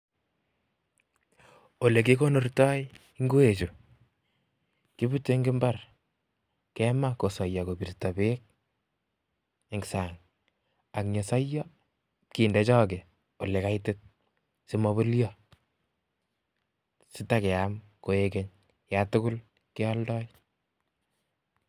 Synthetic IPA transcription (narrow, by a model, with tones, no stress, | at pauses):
o˨le˨ke˦ko˦no˦rtɔ˦j | ŋɡu˦e˨t͡ʃu˨ | ki˦bu˦tːe˦ŋɡɪ˦mba˦r | kɛma˦ko˨sɔ˨jɔ˨ko˨bi˨rtɔ˨bek̚ | eŋɡsaŋ | a˨kɲe˨sɔ˦jɔ | ki˨ndɛ˨˦t͡ʃɔ˦k̬ɛ˨ | o˨le˨ka˦jte˦t̚ | si˦mɔ˦βo˦ljɔ | sɪ˦ta˦kɛ˨am | ko˨ekeɲ | jatʊ˦ku˦l | kɛ˦ɔ˦ldɔ˦j